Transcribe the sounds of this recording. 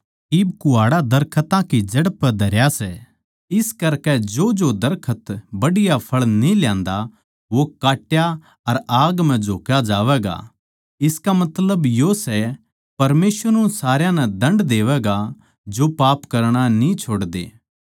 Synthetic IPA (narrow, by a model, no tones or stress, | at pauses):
iːbkʊaːɽad̪ɐɾkʰət̪ãkid͡ʒɐɽəpd̪ʱɐɾjasɛ | ɪskɐɾkɛd͡ʒoːd͡ʒod̪ɐɾkʰət̪bɐɽɪjapʰɐɭnĩljãːnd̪a | ʋokaːʈja | ɐɾaːɡm̤ɛ̃d͡ʒʱoːkjad͡ʒaːʋɛːɡa̰ | ɪskamɐt̪ləbjoːsɛ | pɐɾmeːsʋəɾũũsaːɾjãnɛd̪ɐ̃ɳɖd̪eːʋɛːɡa | d͡ʒopaːpkɐɾɽ̃anĩt͡ʃʰoːɽd̪ḛː